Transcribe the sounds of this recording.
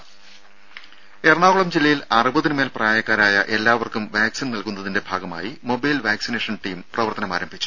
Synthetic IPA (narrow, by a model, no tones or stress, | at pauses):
erɐɳaːɣuɭɐmd͡ʑilːɐjilɐrɨbɐðinɨmeːlpraːjɐkːaːɾaːjɐʔe̞lːaːʋɐrkumʋaːksinnɐlkunːɐðinde̞bʱaːɡɐma̰ːjimo̞bɐjlʋaːksine̞ːʂɐnʈiːmprɐʋɐrt̪ɐnɐmaːɾɐmbʱit͡ɕːu̥